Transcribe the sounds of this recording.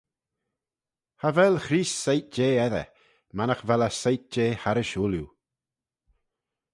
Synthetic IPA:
havɛlxɾiːssejt̚d͡ʒeːɛðə̰ | manaxvɛləsajt̪̚d͡ʒeːhaɾəʃuːlju

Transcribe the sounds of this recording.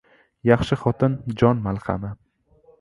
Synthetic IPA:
jɑχʃɪχɒt̪ʰɪnd͡ʒɒnmalˠχɑ̰nɪ

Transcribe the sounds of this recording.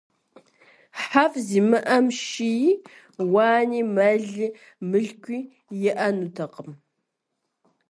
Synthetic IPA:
ħafziːmɨʔɐmʃij | waːniːmɐɮɨ | mɨɮkʷʰʼiː | jɛʔɐnutʰɐqəm

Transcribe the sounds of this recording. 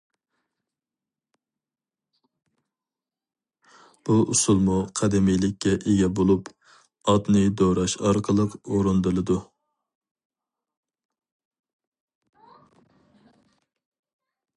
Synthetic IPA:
b̥uʔusulˠmuqʰɛd̪ɛmijlɪkʲːɛʔeɡʲɛbolˠup | ɑt̪nɨd̪oɾɑʃɑɾqʰəlˠəqoɾund̪ɨlˠɨd̪u

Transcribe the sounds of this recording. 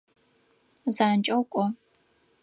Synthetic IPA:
zaːnt͡ʃʼɐwkʷʼɔ

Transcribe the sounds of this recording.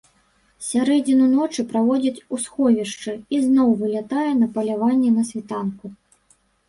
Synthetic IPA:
sʲaɾɛd͡zʲinunɔt͡ʂɨpɾavɔd͡zʲɐt͡sʲusxɔvʲiʂt͡ʂɨiznɔwvɨlʲat̪ajɛnɐpɐlʲavanʲːɛnɐsʲvʲit̪anku

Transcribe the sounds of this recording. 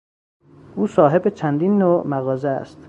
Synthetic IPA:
ʔuːsɒːɦe̞bet͡ʃʰænd̪inːoːʔmæɣɒːzeæ̰st̪

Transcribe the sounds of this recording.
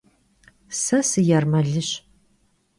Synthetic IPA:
sɐsɨjarmɐɮɨɕ

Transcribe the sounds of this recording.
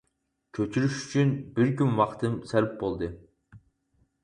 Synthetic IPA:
kʲʰøt͡ʃʰyɾyʃy̥t͡ʃʰynbɪɾkʲymwɑχt̪ʰɨmsɛlp̚bolˠd̪ɨ

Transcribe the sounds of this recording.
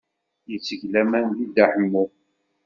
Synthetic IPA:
jət͡sːəʝlæmænðid̪aħəmːu

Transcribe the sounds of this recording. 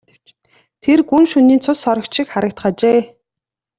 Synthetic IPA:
t̪ʰerɡunʃuniːnt͡sʰʊsɔɾɞ̆kt͡ɕʃɪ̆kχaɾə̆kt̪ɢat͡ɕeː

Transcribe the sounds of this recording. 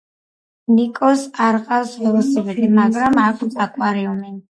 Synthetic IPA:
nikʼɔsaɾqʼawsvɛlˠsɛbɛd̪imaɡɾamakʰt̪ʼakʼwaɾiumɛn

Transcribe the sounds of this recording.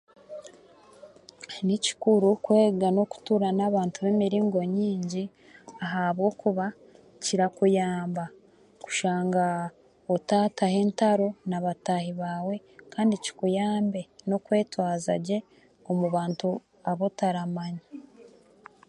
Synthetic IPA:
nici̥kuɾukwe̞ːɡano̞ku̥tuɾanaβaːntuβe̞miɾiːŋɡo̞ɲiːɲɟi | aɦaβɡo̞kuβa | ciɾakujaːmba | ku̥ʃaːŋɡa | otatahe̞ːntaɾo̞naβatahiβaːwe̞ | kaːndici̥kujaːmbe̞no̞kwe̞ːtwaːzaɟe̞ | o̞muβaːntu | aβo̞taɾamaɲa

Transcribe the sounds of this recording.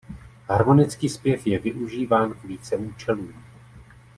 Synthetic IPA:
ɦaɾmo̞nɪt͡skiːspjɛfjɛvɪʔuʒiːvaːnkviːt͡sɛuːt͡ʃɛluː

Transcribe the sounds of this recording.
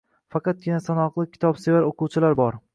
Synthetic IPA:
fɑqʰɑt̪̚ɡʲɪnasanɒqlˠɪkʲʰɪ̥t̪ʰɒpsevaɾoquwt͡ʃʰɪlaɾbɒɾ

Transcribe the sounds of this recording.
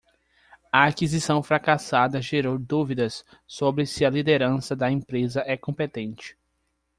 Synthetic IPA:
ɐakizisɐ̃w̃fɾakasad̪ɐʒeɾowd̪uvid̪ɐsː | obɾɪsɪɐlid̪eɾɐ̃sɐd̪ɐẽpɾezɐʔɛkõmpet̪ẽnt͡ʃɪ̥

